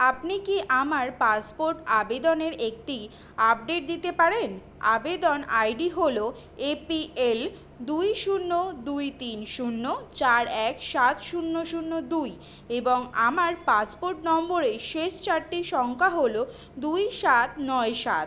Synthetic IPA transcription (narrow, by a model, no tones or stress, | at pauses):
apnikiʔamaɾpaspoɾʈabed̪oneɾek̚ʈi | ap̚ɖeʈ̚d̪it̪epaɾen | a̰bed̪onajɖiɦolo | epiel | d̪ujʃunːod̪ujt̪inʃunːot͡ɕaɾɛkʃat̪ʃunːoʃunːod̪uj | eboŋamaɾpaspoɾʈnɔmboɾeʃeʃt͡ɕaɾʈiʃɔŋkʰaɦolo | d̪ujʃat̪nɔeʃa̰t̪